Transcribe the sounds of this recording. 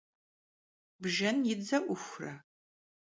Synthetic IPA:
bʒɐnjɪd͡zɐʔʷʊxʷrɐ

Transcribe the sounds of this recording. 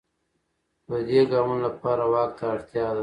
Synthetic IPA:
dəd̪eɡaːmunlapɑːɾawɑːk̚t̪aːɽt̪jɑːd̪a

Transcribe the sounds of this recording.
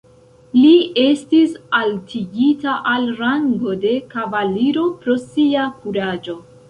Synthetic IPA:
lie̞stisaltʰiɡitaʔalɾaŋɡo̞de̞kavaliɾo̞pɾo̞siakuɾad͡ʒo̞

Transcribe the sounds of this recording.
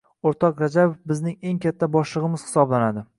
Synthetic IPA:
oɾt̪ʰɒqɾad͡ʒabofbɪznɪŋe̞ŋkʲʰat̪ʰːabɒʃlˠɨʁɨmɪz̥hɪ̥sɒblanad̪ɪ

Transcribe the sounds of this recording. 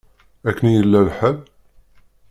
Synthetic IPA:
ækːənjəlːælħæl

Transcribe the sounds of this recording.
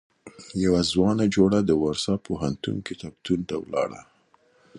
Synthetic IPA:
jawazwɑnad͡ʒoɽad̪əwaɾsɑpʰoɦant̪ṵŋket̪ak̚t̪unt̪awlɑ̰ɽa̰

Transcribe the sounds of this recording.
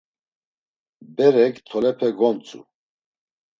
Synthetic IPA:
bɛɾɛkt̪ʰɔlɛpʰɛɡɔnt͡sʼṵ

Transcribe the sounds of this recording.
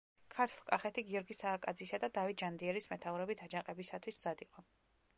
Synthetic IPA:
kʰaɾt̪ʰlˠkʼaχɛt̪ʰiɡiɔɾɡisaːkʼad̪zisad̪ad̪avit̪̚ʰd͡ʒand̪iɛɾismɛt̪ʰauvɾɛbit̪ʰad͡ʒaqʼɛbisat̪ʰwiszad̪iqʼɔ

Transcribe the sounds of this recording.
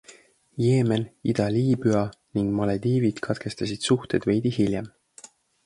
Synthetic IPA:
je̞ːme̞nid̪̥ɑliːbyɑniŋɡ̥mɑled̪iːvid̪̥kʰɑt̪ke̞st̪ɑsid̪̥suht̪e̞d̪̥ve̞jd̪̥ihilʲjem

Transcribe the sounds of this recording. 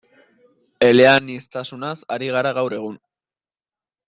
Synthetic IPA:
e̞le̞anist̪asunasaɾiɣ̞aɾaɣawɾe̞ɣ̞un

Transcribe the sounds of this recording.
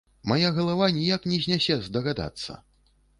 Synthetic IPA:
majaɣɐlˠavanʲijaknʲɛzʲnʲasʲɛzd̪ɐɣad̪a̰t̪sːɐ̰

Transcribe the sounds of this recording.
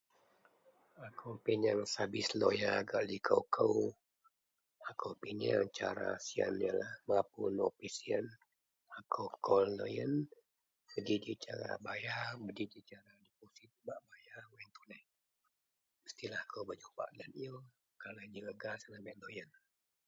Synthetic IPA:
akʰəwpiɲaŋsabɪslo̰jaɡaʔlikʰəwkʰəw | akʰəwpiɲaŋt͡ʃa̰ɾa̰siə̰njəlahməapunopisiən | akʰəwkʰɔllo̰jən | bəd͡ʒid͡ʒit͡ʃaɾa̰bajabəd͡ʒid͡ʒit͡ʃaɾadip̚osit̪̚baʔbajamant̪unɛh | məst̪ilahakʰəwbəd͡ʒupa̰ʔlən̚jə | kalad͡ʒəɡəɡasənabɛʔlojən

